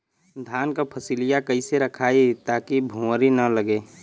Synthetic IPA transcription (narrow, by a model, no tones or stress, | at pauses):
d̪ʱaːnkapʰəsilijakəɪseɾəkʰaːit̪aːkibʱũəɾinələɡeː